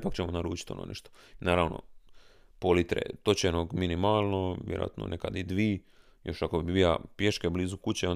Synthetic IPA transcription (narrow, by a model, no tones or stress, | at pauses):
pakt͡ɕemonaɾuːt͡ʃi̥t̪ono̰nḛʃt̪oinaːɾaʋnʔo̞̰ | polit̪ɾḛt̪o̞t͡ɕenoɡminimaːlˠnoʋjeɾo̰a̰t̪no̰nʔekad̪id̪ʋiː | jo̞ʃakobibila̰pjeʃkebliːzukut͡ɕeon